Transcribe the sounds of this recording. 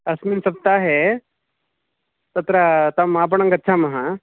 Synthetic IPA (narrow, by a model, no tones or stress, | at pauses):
ɐsminsɐp̚t̪aɦe | t̪ɐt̪ɾat̪ɐmap̬əɳɐŋɡɐtːt͡ʃʰamɐɦã